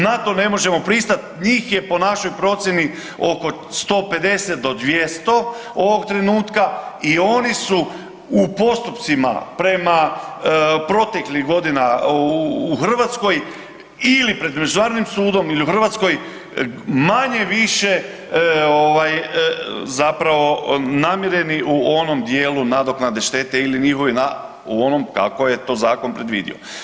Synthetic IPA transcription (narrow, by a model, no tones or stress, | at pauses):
nat̪o̞ne̞mo̞ʒe̞mo̞pɾist̪at̪ɲiːxje̞po̞naʃo̞jpɾo̞t̪sjeni | o̞ko̞ | st̪o̞ːpe̞d̪e̞set̪̚d̪o̞d̪ʋje̞st̪o̞ | o̞ʋo̞ɡ̚t̪ɾe̞nuːt̪kaio̞nisu | upo̞st̪upt̪sima̰pɾe̞ma | pɾo̞t̪e̞klixɡo̞d̪ina | uxr̩ʋat̪sko̞j | ilipɾe̞d̪me̞d͡ʒunaːɾod̪nimsuːd̪o̞miliuxr̩ʋat̪sko̞j | maɲe̞ʋiʃe̞ | o̞ʋaj | zapɾaʋo̞namjeɾje̞niʔuo̞no̞md̪je̞ːlunad̪o̞knad̪e̞ʃt̪e̞t̪e̞iliɲixo̞ʋina | uo̞nomka̰ko̞je̞t̪o̞ːzaːko̞npɾe̞d̪ʋḭːd̪ḭo̞̰